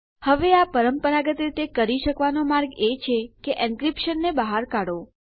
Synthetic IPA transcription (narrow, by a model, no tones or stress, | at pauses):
həʋeapəɾəmpəɾaɡət̪ɾit̪ekəɾiʃəkʋanomaɾɡet͡ʃʰekeʔɛ̃nkɾipʃənːebəɦaɾkaɽo